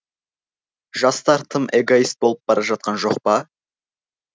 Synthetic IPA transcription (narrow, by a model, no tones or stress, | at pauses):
ʒ̥ɑst̪ɑɾt̪ʰəmʔe̞ɡo̞ist̪̚bo̞lˠəp̚bɑɾɑʒɑt̪̚qɑnʒo̞qpɑ